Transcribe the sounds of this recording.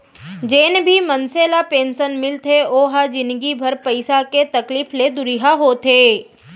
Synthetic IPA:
d͡ʒeːnbʱimɐnseːlapeːnsənmɪlt̪ʰeoːɦad͡ʒɪ̃nd̪ɡibʱɐɾpɐɪsaket̪ɐkliːfled̪ʊɾiɦaɦoːt̪ʰeː

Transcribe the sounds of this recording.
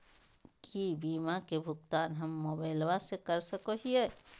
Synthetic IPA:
kibiːmakebʱʊk̚t̪aːnɦɐmːoːbaɪlwasekɐɾsəkoɦiɛː

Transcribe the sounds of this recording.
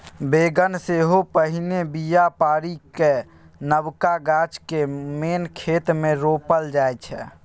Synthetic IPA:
beɡənseɦopəɦinebijapaɾike | nəbkaɡat͡ʃkemenkʰet̪mẽɾopəld͡ʒajt͡ʃʰɛ

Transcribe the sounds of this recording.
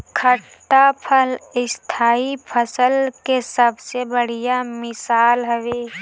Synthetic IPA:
kʰə | ʈːapʰəlɪst̪ʰaːipʰəsəlkesəbsebəɽ̤ijamɪsaːlɦəʋeː

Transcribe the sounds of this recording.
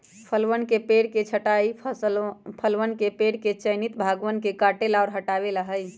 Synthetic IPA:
pʰəlʋənkepeɽket͡ʃʰəʈai | pʰəlʋənkepeɽket͡ʃənit̪bʱaɡʋənkekaʈelaɔɾɦəʈabeləɦəj

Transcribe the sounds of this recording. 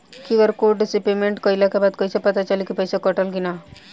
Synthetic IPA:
kiʋəɾkoɖisipemeɳʈkəilakebad̪̚kʌjsepət̪at͡ʃəlikipəjsekəʈəlɡina

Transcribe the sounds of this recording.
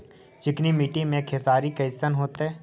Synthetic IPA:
t͡ʃɪknimiːʈimẽkʰesaːɾikɐɪsənɦoːt̪ɦɛː

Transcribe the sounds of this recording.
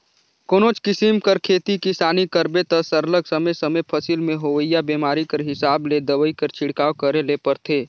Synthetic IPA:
koːnoːt͡ʃkɪsimkəɾkʰeːt̪ikisaːnikəɾbet̪ɐsəɾləɡsəməjsəməjpʰəsilmẽɦoːʋəjabeːmaːɾikəɾɦɪsaːbled̪əʋəikɐɾt͡ʃʰɪɽkaːwkəɾelepəɾt̪ʰeː

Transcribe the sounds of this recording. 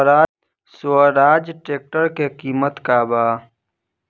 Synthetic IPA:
ɾaː | səɾaːd͡ʒʈeːk̚ʈəɾkekiːmət̪kaːbaː

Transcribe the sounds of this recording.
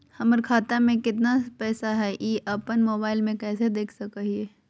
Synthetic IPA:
hɐməɾkʰaːt̪amẽkɪt̪napɛːsaɦɛʔiːʔɐpənmoːbaːɪlmẽkɛːsed̪eːkʰsɐkaɦiɛ

